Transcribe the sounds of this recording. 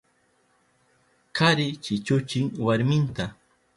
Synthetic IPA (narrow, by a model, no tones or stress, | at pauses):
kaɾɪt͡ʃɪt͡ʃʊt͡ʃɪŋwaɾmɪnt̪a